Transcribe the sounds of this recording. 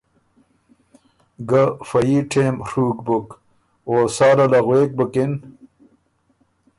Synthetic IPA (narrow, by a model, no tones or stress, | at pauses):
ɡɐfɐjiʈʰeːmʂuːkbuk | oːsaːɾɐlɐɣweːk̚bəkin